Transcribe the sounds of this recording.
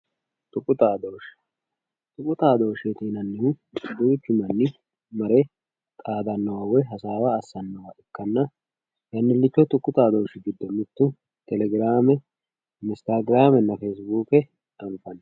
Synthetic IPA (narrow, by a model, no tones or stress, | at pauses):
t̪ʼʊkʼːʊt̪aːd̪oːʃ | t̪ʼʊkʼːʊt̪aːd̪o̞ːʃet̪iːnɐnːɪhʊb̪ʊjt̪ːɪmɐnːɪ | mɐɾɛ | t̪ʼaːd̪ɐnːɐwawɛjɦɐsaːwɐːsːɐnːɐwaʔɪkːɐnːɐ | jɐnːɪlːɪt͡ʃːɔt̪ʼʊkːʊt̪aːd̪o̞ːʃɪɡɪd̪ːɔnːʊt̪ːʊ | t̪ɛlɛɡɾaːmɛ | ɪst̪aːɡɪɾaːmɛnːɐfeːs̬buːkɛ | ᶑɐnfɐnː